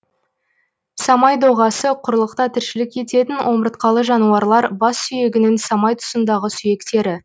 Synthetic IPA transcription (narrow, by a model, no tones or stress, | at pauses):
sɑmɑjd̪oʁɑsəqʰʊɾlˠəqt̪ɑt̪ʰɪɾʃɪlɪkʲe̞t̪e̞t̪ɪnwʔo̞məɾət̪̚qɑlˠəʒɑnuɑɾlˠɑɾbɑsːʏje̞ɡʲɪnɪŋsɑmɑjt̪ʰʊ̥sənd̪ɑʁəsʏje̞kt̪e̞ɾɪ